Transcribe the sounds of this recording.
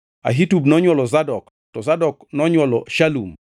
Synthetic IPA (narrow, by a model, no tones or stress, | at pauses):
a̰ɦitubnɔɲwɔlɔzadɔk | tɔzadɔknɔɲwɔlɔʃalum